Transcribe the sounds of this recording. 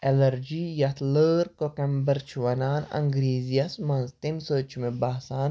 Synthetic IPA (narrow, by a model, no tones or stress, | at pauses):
elɐɾd͡ʒiːjɐt̪ʰləːɾkokɐmbəɾt͡ʃʰiʋɐnaːnɐ̰ŋɡɾiːzijɐsmɐnzt̪imsəːt͡ʃʰmẽbaɦsaːn